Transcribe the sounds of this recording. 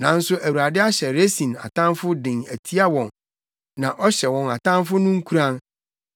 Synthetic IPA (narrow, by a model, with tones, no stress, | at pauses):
nã˨n̩˦sʊ˦ʔæ˨wu˨a˨dɪ˦a˦ɕɛ˨ɾe˦sĩ˨na̰˨tʰã˦nfʊ˦dɪ̃˨ŋæ̰˨tʰi˦a˦wɔ̃˨n | nã˨ʔɔ˦ɕɛ˨wɔ̃˨na̰˨tã˦nfʊ˦nʊ̃˦ŋ̩˦kʰu˦ɾã˦n